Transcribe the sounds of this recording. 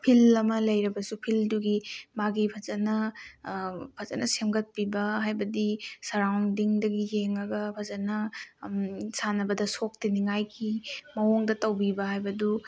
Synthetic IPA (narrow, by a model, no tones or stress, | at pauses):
pʰilɐmɐlɐjɾɐbɐsupʰilduɡimaɡipʰɐzɐnɐ | pʰɐzɐ̰nɐsemɡɐt̚pibɐɦajbɐdisɐɾawŋdiŋdɐɡijeŋɐɡɐpʰɐzɐnɐ | sanɐbɐdɐsok̚tiniŋajkʰimɐoŋdɐtɐwbibɐɦajbɐdu